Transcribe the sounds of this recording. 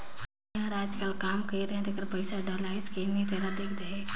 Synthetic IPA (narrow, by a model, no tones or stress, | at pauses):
ãɾad͡ʒkəlkaːmkəjɾãt̪ekəɾpəɪsaɖalaɪskenit̪eɾad̪ekʰd̪eɦe